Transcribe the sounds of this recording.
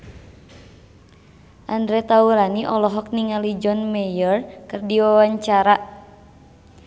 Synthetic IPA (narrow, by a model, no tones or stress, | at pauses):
ʔandɾɛt̪auɾaniʔɔlɔɦɔk̚niŋalid͡ʒɔnmɛjərkɨrdiwawaɲt͡ʃaɾa